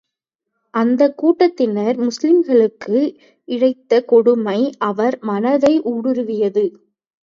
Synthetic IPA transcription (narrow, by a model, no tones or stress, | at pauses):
ʔɐnd̪ɐkːuːʈːɐt̪ːɪnɐɾmʊslɪmɡɐɭɯkːɯ | ɪɻɐɪt̪ːɐkɔɽɯmɐɪʔɐʋɐɾmɐnɐðɐɪʔuːɽɯɾɯʋɪjɐðɯ